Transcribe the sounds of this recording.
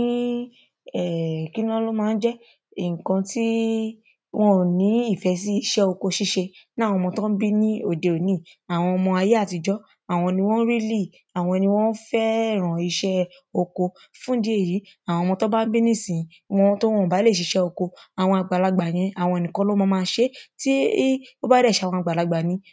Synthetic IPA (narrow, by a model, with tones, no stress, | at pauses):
ĩ˦ | ɛ˦˨ki˦nɔ̃˦lo˦mãː˦˧n̩˦d͡ʒɛ˦ | i˨ŋ̩˨kɔ̃˧ti˦ | w̃ɔ̃˦nĩ˨˦i˦˨fɛ˨˧s̬i˦i˦˧ʃɛ˦o˧ko˧ʃi˦ʃe˧nã˦˨w̃ɔ̃˧mɔ̃˧tɔ̃˦n̩˦bi˦nĩ˦o˦˨de˨o˨nĩ˦˨a˨w̃ɔ̃˧ɔ˧mɔ̃˧a˧je˦a˦˨ti˧d͡ʒɔ˦ | a˨w̃ɔ̃˧nĩ˧w̃ɔ̃˦ɾi˦li˦˨ | a˨w̃ɔ̃˧nĩ˧w̃ɔ̃˦n̩˦fɛ˦˨ɾ̃ɔ̃˨i˧ʃɛ˦ | o˧ko˧ | fũ˦di˦e˦˨ji˨˦ | a˨w̃ɔ̃˧mɔ̃˧tɔ˦ba˦n̩˦bi˦nĩ˦˨sĩ˨˧wɔ̃˧˦to˦w̃ɔ̃˦˨ba˨˦le˦˨ʃ̬i˨˧˦ʃɛ˦o˧ko˧a˨w̃ɔ̃˧a˧ɡ͡ba˨la˧ɡ͡ba˨j̃ɛ̃˧a˨w̃ɔ̃˧e˨nĩ˨kɔ̃˧lɔ˦mɔ̃˧mãː˦˧˦ʃe˦ti˦o˦ba˦dɛ˦˨ʃa˨w̃ɔ̃˧a˨ɡ͡ba˨la˧ɡ͡ba˨nĩ˨˦